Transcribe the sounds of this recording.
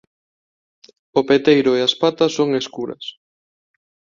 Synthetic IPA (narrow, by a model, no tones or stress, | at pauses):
opet̪ejɾʊeaspat̪ɐsːoŋeskuɾɐ̰s